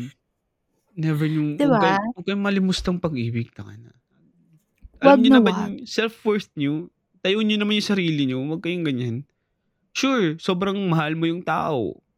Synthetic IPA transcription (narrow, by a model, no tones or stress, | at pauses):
nɛvɛɹɲʊŋd̪ɪaɡɐmɐɡ̚kɐjʊŋmːɐlɪmʊst̪ɐŋpɐɡʔiːbɪɡ̚t̪ɐkɐnɐ̰ | ʔɐwaɡɲʊnnɐmanjʊŋsɛlfwɛɹt̪̚ɲo | t̪ɐjoʔɲːonɐmanjʊŋsɐɾiːlɪɲowɐɡ̚kɐjʊŋɡɐɲan | ʃuɹso̞ːbɾɐŋmɐhalmojʊŋt̪a̰ːʔo̰